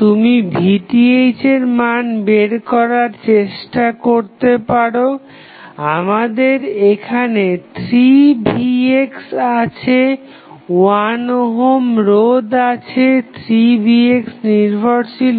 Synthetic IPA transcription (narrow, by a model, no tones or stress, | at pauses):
t̪umibʱiʈiejt͡ɕeɾmanbeɾkɔɾaɾt͡ɕeʃʈakoɾt̪epaɽo | amad̪eɾekʰanet̪ʰɾibieksat͡ɕʰe | wanoɦomɾod̪at͡ɕʰet̪ʰɾibieksniɾbʱoɾt͡ɕʰil